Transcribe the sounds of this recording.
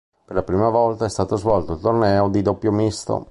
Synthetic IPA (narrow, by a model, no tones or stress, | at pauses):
perlapɾiːmavɔlt̪aɛst̪aːt̪ozvɔlt̪oilt̪ornɛːod̪id̪opːjomist̪o̰